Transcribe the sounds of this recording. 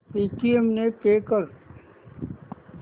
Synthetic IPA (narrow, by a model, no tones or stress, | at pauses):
piːʈiemnepeːkəɾ